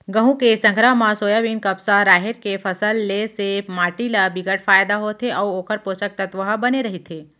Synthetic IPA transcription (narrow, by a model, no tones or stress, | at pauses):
ɡəɦũkesə̃ŋɡʱɾaɦmãsoːjaʋinkɐbsaɾaːɦeɾkefʰɐsəlːesemaːʈilabiɡəʈfaːjd̪aɦot̪ʰeʔauoːkəɾposək̚t̪ɐt̪ʋəɦəbɐneɾɐɦit̪ʰeː